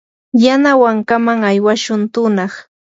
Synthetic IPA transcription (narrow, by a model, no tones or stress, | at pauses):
janawaŋkamaŋajwaʃʊnt̪ʊnɑχ